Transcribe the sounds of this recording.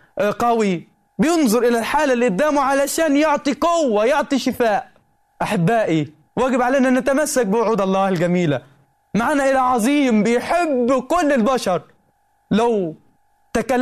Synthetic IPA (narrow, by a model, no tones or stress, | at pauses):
qɑwi | bɪjɪnzˤʊɾʔɪlalħaːlalʔɪd̪ːaːmuʕalaʃaːnjʊʕt̪ˤiqʊwːajʊʕt̪ˤiʃɪfaːʔ | ʔaħabːaːʔi | waːɡɪbʕaleːnanat̪amasːak̚bɪwʊʕuːd̪ɑlˤːɑːhɪlɡamiːla | maʕaːnaʔɪlaʕɑzˤiːmbɪjħɪbːkʊlːɪlbaʃɑɾˤ | law | t̪akalː